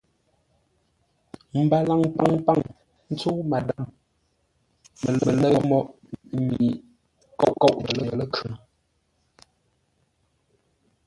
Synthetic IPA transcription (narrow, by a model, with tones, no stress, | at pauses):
m̩˨ba˨la˨ŋpa˦ŋpa˦˨ŋ | n̩˦t͡so˦ma˨da˦˨m | mə˨lə˨lə˦mɔ˦ʔ | mi˨ | kɔ˦˨ʔkɔ˦˨ʔə˨lə˦˨ə˨lə˦kʰə˨